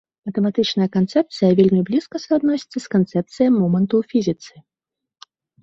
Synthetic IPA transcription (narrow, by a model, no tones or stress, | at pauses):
mɐt̪ɛmat̪ɨt͡ʂnɐjɐkant̪sɛp̚t̪sɨjɐvʲelʲmʲiblʲiskɐsad̪nɔsʲi̥t̪sːɐskant̪sɛp̚t̪sɨjɐmɔmɐnt̪ufʲizʲit̪sɨ̥